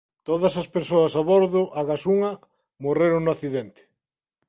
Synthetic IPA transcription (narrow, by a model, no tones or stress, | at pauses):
t̪oðɐsɐspeɾsoɐsaβoɾðʊʔaɣasuŋɐ | moreɾʊŋnʊaθiðent̪ɪ̥